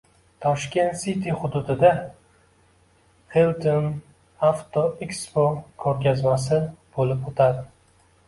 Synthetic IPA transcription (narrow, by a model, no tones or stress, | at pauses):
t̪ʰɒʃkʲe̞nt̪sit̪ʰiχʊd̪ʊd̪ɪd̪a | χelt̪ʰon | aft̪ʰoɛkspokʰɵɾkʲazmasɪb̥olɪpot̪ʰad̪ɪ